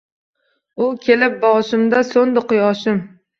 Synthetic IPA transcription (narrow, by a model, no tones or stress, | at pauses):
ʊkʲʰelɪp̚bɒʁʃɪmd̪asond̪ɪqʊjɒʃɪm